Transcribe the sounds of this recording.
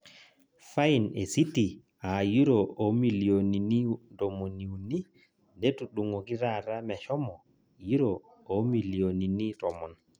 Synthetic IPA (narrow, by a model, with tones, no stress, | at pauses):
fa˦i˨ne˨si˦ti˨ | a˨ju˦ɾo˨o˨˦mi˨li˨o˨ni˨ni˦do˨mo˨ni˨u˨ni˦ | ne˦tu˨ɗu˨ŋo˨ki˦ɾa˦ɾa˦mɛ˨ʃɔ˦mɔ˨ | ji˦ɾoː˨˦ | mi˨li˨o˨ni˨ni˦tɔ˨mɔ˨n